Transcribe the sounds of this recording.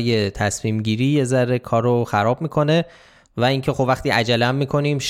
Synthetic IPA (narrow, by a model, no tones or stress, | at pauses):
je̞t̪ʰæsmiːmɟiːɾiːje̞zæɾe̞kʰɒːɾoxæɾɒːb̚miːkʰo̞ne̞ | væiŋcʰe̞xobvæxt̪iːʔæd͡ʒælææmːiːkʰo̞niːmʃ